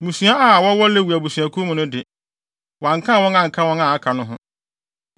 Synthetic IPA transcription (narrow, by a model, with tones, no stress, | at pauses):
mũ˨sũ˨a˦ʔa˦˨wɔ˦wɔ˦le˦wu˨æ˨bu˨su˨a˨kʰu˦mʊ̃˨nʊ̃˦dɪ˨ | wã˨ŋ̩˨kʰã˦˨wɔ̃˦ŋã˦ŋ̩˨kʰa˦wɔ̃˦ŋã˨a˦kʰa˨nʊ̃˦ɦʊ̃˦